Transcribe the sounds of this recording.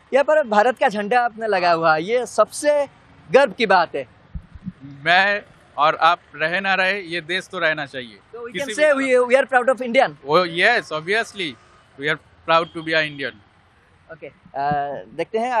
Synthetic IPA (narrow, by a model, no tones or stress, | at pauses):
jɐɦãːpɐɾbʱaːɾət̪kad͡ʒʱɐ̃ɳɖaaːpnelɐɡaɦuajesɐbse | ɡɐɾbʱkibaːt̪ɦɛː | mɛ̃ | ɔːɾaːp̚ɾɛɦenaɾɐɦejed̪eːst̪oɾɛɦnat͡ʃaːɦiet̪oʋikɪknseiʋiaɾpɾaːʊɖɔːfɪ̃ɳɖijənojɛsɔːbiəsli | wiaɾ | pɾaːʊɖ̚ʈubiaɪ̃ɳɖijə̃n | oːke | d̪eːk̚t̪eɦɛ̃